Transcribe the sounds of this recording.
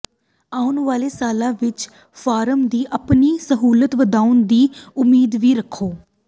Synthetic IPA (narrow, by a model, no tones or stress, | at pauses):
aːʊnʋaːleːsaːlãːʋɪt͡ʃ | fʰaːɾəmd̪iːʔəpniːsəɦuːlət̪ʋəd̪aːʊnd̪iːʊmiːd̪ʋiːɾəkʰːoː